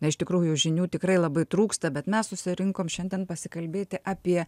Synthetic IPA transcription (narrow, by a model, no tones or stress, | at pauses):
nɐɪʃt̪ʲɪkɾuːjʊjʊʒʲɪnʲuːt̪ʲɪkɾɐɪlˠɐbɐɪt̪ɾuːkst̪ɐbʲɛt̪mʲɛssʊsʲɪɾʲɪŋkoːmʃʲɛnʲd̪ʲɛnpɐsʲɪkɐlʲbʲeːt̪ʲɪʔaːpʲiɛ